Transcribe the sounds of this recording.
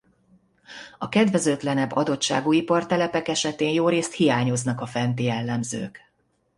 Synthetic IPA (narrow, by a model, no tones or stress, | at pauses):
ɒkɛd̪vɛzøt̪lɛnɛbːɒd̪o̞tʃa̰ːɡuipɒrt̪ɛlɛpɛkɛʃɛt̪eːnjoːɾeːst̪hijaːɲo̞znɒkɒfɛnt̪ijɛlːɛmzø̰ːk